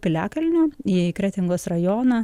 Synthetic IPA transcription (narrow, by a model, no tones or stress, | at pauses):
pʲɪlʲæːkɐlʲnʲʊːiːkɾʲæːt̪ʲɪŋɡoːsrɐjoːnɐ